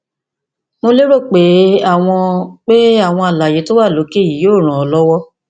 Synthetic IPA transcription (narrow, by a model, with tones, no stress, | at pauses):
mo˧le˦ɾo˦˨k͡pe˨˦a˦˨w̃ɔ̃˧k͡pe˦a˦˨w̃ɔ̃˧a˨la˨je˨˦to˦wa˦˨lo˨˦ke˦i˨joː˦˨ɾ̃ã˨ɔ˧lɔ˦wɔ˦